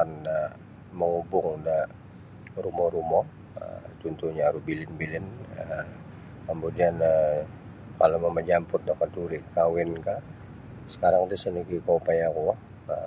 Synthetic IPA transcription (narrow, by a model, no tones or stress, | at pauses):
anda | məŋubʊŋda | rumɔɾumɔ | ə̰t̪unt̪uɲaɾubilɪnbilɪnə | kəmudianə | kalaməməd͡ʒampʊt̪̚dakatuɾikawɪnka | sə̥kaɾaŋt̪usənikikaupajaku | ə